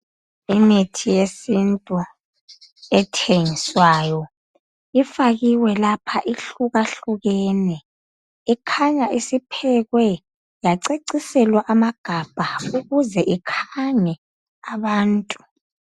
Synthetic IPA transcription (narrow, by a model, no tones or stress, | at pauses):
imitʰijesintʼu | ɛtʰeŋiswajɔ | ifaɣiwɛlapʰaʔiɬuɣaɬuɣɛnɛ | ikʰaɲaʔisipʰɛɣwɛ | jaǀeǀisɛlwaʔamaɡ̥ʱab̥ʱauɣuzɛʔikʰaŋɛ | aβaːntʼu̥